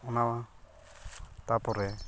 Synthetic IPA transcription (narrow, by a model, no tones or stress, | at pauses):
ɔnawa | t̪apɔɾɛ